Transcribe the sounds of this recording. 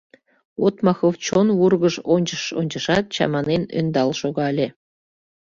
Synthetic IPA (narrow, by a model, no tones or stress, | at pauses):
ot̪mɑxowt͡ɕonβurɣə̆ʃonʲt͡ɕəʃo̰nʲt͡ɕə̆ʃɑt̪̚t͡ɕɑ̰mɑnenø̰nd̪ɑlʃoɣɑlʲe